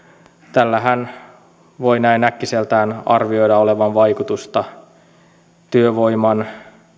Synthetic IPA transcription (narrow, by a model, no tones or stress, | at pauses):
t̪ælːæɦæn | ʋo̞inæinækːiselt̪æːnɑ̰rʋio̞jdɑo̞le̞ʋɑnʋɑjkut̪ust̪ɑ | t̪yøʋo̞imɑn